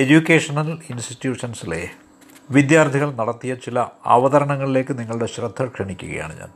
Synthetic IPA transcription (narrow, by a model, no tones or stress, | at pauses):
e̞d͡ʑukʲːeːʂɐnɐlinsʈitjuːʂɐnsile̞̰ | ʋid̪jaːrt̪ʰiɣɐɭnɐɽɐt̪ːijɐt͡ɕilɐɐ̰ʋɐðɐɾɐɳɐŋːɐɭile̞ːkːɨniŋːɐɭuɽe̞ɕrɐd̪ʱːɐkʂeɳikʲːuɣɐ̰ja̰ːɳɨɲa̰ːn